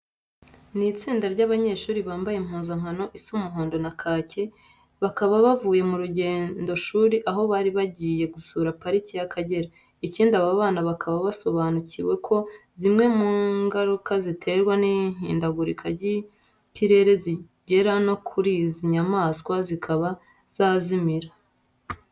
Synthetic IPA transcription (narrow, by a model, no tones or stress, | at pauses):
niːt͡siːndaɾɟaːβaɲe̞ːʃuːɾiβaːmbajem̥huːnzaŋ̥hano̞ʔisumuɦoːndo̞nakʰaːce̞ | βakaβaβavuːje̞muɾuɟe̞ːndo̞ʃuːɾiʔaɦo̞βaːɾiβaɟiːje̞ɡusuɾapaɾicijakʰaɟe̞ɾa | iciːndiaβaβaːnaβakʰaβaβaso̞βaːnuciwe̞kʰo̞zimŋe̞muŋɡaɾukazitʰe̞ɾɡwaniɲ̥ḭːndaɡuɾikʰaɾɟi | ciɾe̞ɾe̞zi | ɟe̞ɾano̞kʰuɾiːziɲamaːskwazikʰaβa | z̥aːzimiɾa